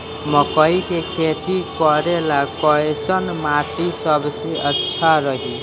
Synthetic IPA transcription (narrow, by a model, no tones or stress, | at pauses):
mʌkʌjkekʰet̪ikʌɾelakʌesʌnmaʈisʌbsiʌtːsʰaɾʌɦi